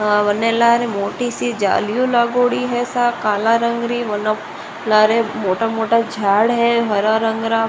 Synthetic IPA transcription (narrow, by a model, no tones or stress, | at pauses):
ɦaʋənːelaːɾemoːʈisid͡ʒa̰ːljũlaːɡoːɽiɦɛsakaːlaɾəŋɡɾiʋɐna | laːɾemoːʈamoːʈad͡ʒʱaːɽɦɛɦɐɾaɾə̃ŋɡɾa